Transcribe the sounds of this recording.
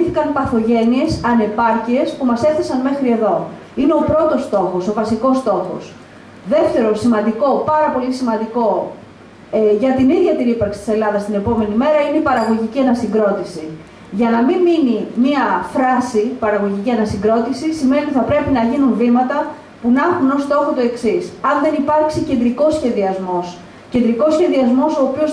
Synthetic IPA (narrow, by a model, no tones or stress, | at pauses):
θikɐnpɐθo̞ʝe̞nie̞sɐne̞pɐɾcie̞spumɐse̞θisɐnme̞xɾie̞ðo̞ | ine̞o̞pɾo̞t̪o̞st̪o̞xo̞sovɐsiko̞st̪o̞xo̞̰s | ðe̞ft̪e̞ɾo̞simɐnd̪iko̞pɐɾɐpo̞lisimɐnd̪iko̞ | ʝɐt̪iniðʝɐt̪inipɐɾksi̥t̪i̥se̞lɐðɐst̪ine̞po̞me̞nime̞ɾɐineipɐɾɐɣo̞ʝiciɐnɐsiŋɡɾo̞t̪isi | ʝɐnɐmimminimiɐfɾɐsipɐɾɐɣo̞ʝiciɐnɐsiŋɡɾo̞t̪isisime̞niθɐpɾe̞pinɐʝinunvimɐt̪ɐ | punɐxuno̞st̪o̞xo̞t̪oe̞ksisɐnðe̞nipɐɾksice̞nd̪ɾiko̞sçe̞ðiɐzmo̞s | ce̞nd̪ɾiko̞sçe̞ðiɐzmo̞so̞ːpio̞s